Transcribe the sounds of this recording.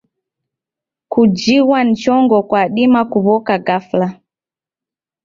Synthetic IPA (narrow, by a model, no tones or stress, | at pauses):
kud͡ʒiwan̩t͡ʃɔŋɡɔkwaɗimakuβɔkaɡafla